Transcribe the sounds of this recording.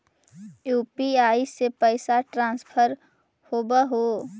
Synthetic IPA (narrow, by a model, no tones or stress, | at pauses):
juːpiaːisepəɪsaʈɾãːspʰəɾ | hobəɦo